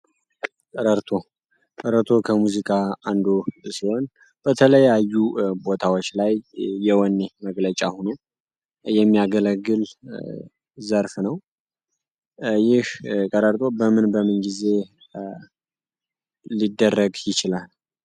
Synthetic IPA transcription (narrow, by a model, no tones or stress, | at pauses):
kʼəɾəɾt̪ʰo̞ | kʼəɾəɾt̪ʰo̞kʰəmuzikʼaand̪osiho̞n | b̥ət̪ʰələjajːubo̞t̪ʰawot͡ʃːlajːɛwɔnːeməɡlət͡ʃʼahono̞ | jɛmːijaɡələɡːɨl | zəɾfnəw | jɪhkʼəɾəɾt̪ʼo̞bəmɨnbəmɨnɡize̞ | id̪ːərːəɡjɪt͡ʃɪlal